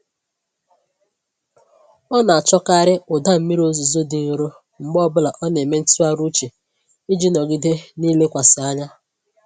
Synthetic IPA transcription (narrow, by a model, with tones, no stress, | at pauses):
ɔ˦na˨a˨t͡ʃɔ˦ka˦˨ɾɪ˦ʊ˨da˦m̩˦mi˦ɾo˦zu˨zo˦dɪ˨ɣ̩˨ɾo˦ | ŋ͡m̩˨ɡ͡bɔ˦bʊ˦la˨ʔɔ˦ne˨me˦n̩˦tu˦a˦ɾu˦t͡ʃe˨ | i˦d͡ʒi˦nɔ˨ɡɪ˦de˦niː˦le˦kʷa˨sɪ˨a˦ɲa˦